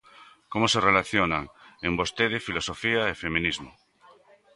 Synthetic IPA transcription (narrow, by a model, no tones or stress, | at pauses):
komoserelaθjonaŋembost̪eðefilosofiaefemĩnizmo